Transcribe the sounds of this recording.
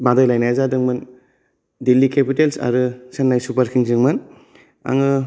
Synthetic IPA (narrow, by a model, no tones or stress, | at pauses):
badajlajnajazadɯŋmɯn | dilːikʰepitelsa̰ɾɯsenːajsupaɾkʰiŋzɯŋmɯn | a̰ŋɯ